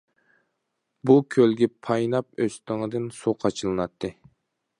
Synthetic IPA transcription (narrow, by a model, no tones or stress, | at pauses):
bukʲʰølɡʲɛpʰɑjnɑp̚øst̪ɪŋɨd̪ɨnsuqʰɑt͡ʃʰɨlˠɨnɑt̪ʰːɨ